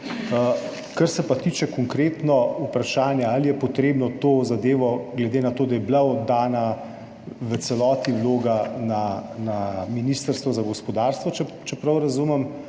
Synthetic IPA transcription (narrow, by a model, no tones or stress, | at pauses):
kɐɾsɛpat̪iːt͡ʃɛkɔŋkɾeːt̪nɔupɾaʃaːnjɛalijɛpɔt̪ɾeːbnɔt̪oːzad̪eːʋɔɡlɛd̪enat̪oːd̪ajɛblaɔd̪ːaːna | ʋət̪sɛlɔːt̪iwloːɡananaminiːst̪əɾst̪ʋɔzaɡɔspɔd̪aːɾst̪ʋɔt͡ʃɛ | t͡ʃɛpɾɐwɾɐzumɛm